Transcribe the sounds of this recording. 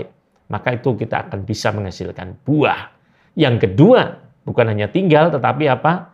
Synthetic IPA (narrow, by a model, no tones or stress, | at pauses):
mʔakait̪ukit̪a̰ːkanbisaməŋasɪlka̰nb̥ua̰h | jaŋkədua | b̥ukanɦaɲat̪iŋɡalt̪ət̪apiapa